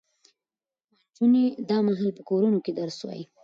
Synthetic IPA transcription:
d͡ʒuned̪ɑmaɦɑlpəkoɾunoked̪aɾswɑ̰ji

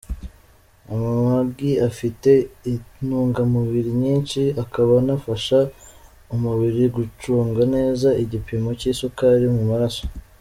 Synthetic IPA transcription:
amamabɡiafite̞inuːŋɡamuβiɾiɲiːnʃiakaβanafaʃa | umuβiɾiɡut͡ʃuːŋɡane̞ːzaiɟipimo̞ciːsokaɾimumaɾaso̞̥

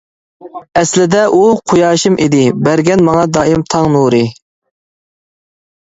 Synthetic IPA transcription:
ɛslɪd̪ɛʔuqʰojɑːʃimʔid̪ɪbæɾɡʲɛnmɑŋɑd̪ɑːimt̪ʰɑŋnuɾɨ

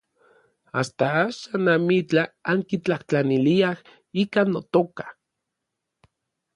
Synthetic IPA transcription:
ast̪aaʃanamit͡ɬaaŋkit͡ɬaht͡ɬaniliah | ikanːot̪okḁ

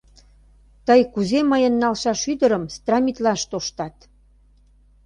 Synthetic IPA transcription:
t̪əjkuzeməjə̆nːɑlʃɑʃyd̪əɾəmst̪rɑmʲit̪lɑʃt̪oʃt̪ɑt̪

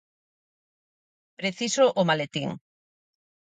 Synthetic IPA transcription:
pɾeθisoʔʊmalet̪iŋ

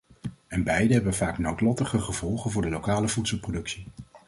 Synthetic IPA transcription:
ɛnbɛjdəɦɛbənvaːknowtlɔtəχəχəv̥ɔlˠχənvʊːɹdəlowkaːləvutsəlˠprodɵksi

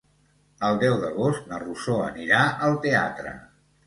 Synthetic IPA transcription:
əlˠd̪ɛwðəɣ̞ost̪̚nərusoə̰niɾaəlˠt̪ea̰t̪ɾə̰

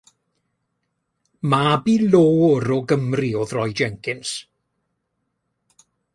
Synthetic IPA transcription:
mabiːloːʊɾɔɡəmriɔðrɔjd͡ʒɛŋkʰɪns

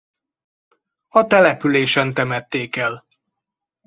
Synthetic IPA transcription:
ɒt̪ɛlɛpyleːʃɛnt̪ɛmɛt̪ːeːkɛl

